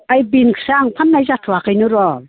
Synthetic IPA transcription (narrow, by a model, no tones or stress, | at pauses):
ajbinkʰi̥saŋpʰanːajzatʰuwakajnuɾol